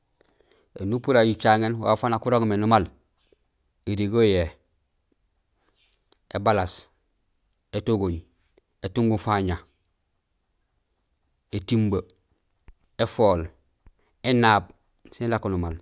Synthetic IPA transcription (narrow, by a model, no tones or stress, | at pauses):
enupuɾaɟit͡ʃaŋenwa̰fanakuɾoɡmenumal | eɾiɡoje | ebalas | etoɡoɲ | etuŋɡufaɲa | etimba | efoːl | enaːb̚ | silakonumal